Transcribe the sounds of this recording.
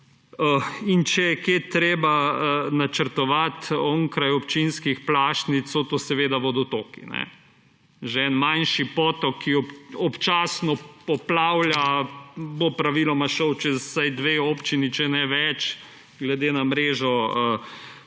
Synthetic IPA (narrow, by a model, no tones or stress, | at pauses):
əint͡ʃɛjɛkeːt̪ɾeːbaənat͡ʃəɾt̪ɔʋat̪ɔːŋkɾajɔpt͡ʃinskixplaːʃnit̪sot̪oːsɛʋeːd̪aʋod̪ot̪oːkḭnɛ̰ | ʒeɛnmanʃipɔːt̪ɔkːiɔpɔpt͡ʃaːsnɔɔplawlja | bopɾaʋilɔmaʃɔwt͡ʃɛsajd̪ʋeoːpt͡ʃinit͡ʃɛnɛʋɛt͡ʃ | ɡlɛd̪eːnamɾeːʒɔə